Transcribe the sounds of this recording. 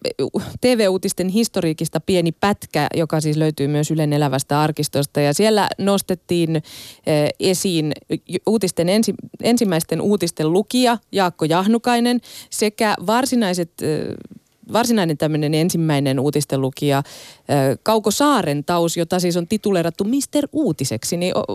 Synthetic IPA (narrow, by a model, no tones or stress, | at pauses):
t̪eːʋeːuːt̪ist̪enɦist̪oriːkist̪ɑpienipæt̪kæ̰jokɑsiːsløyt̪yːmyøsylenelæʋæst̪æɑrkist̪ost̪ɑjɑsielːæ̰nost̪et̪ːiːnː | esiːnuːt̪ist̪enensiensimːæist̪enʔuːt̪ist̪ellukiɑjɑːkːojɑhnukɑinensekæʋɑrsinɑiset̪ | ʋɑrsinɑinent̪æmːønenensimːæinenuːt̪ist̪elukiɑ | kɑukosɑːrent̪ɑusjot̪ɑsiːsont̪it̪ulerɑt̪ːumist̪eruːt̪iseksiniʔo̰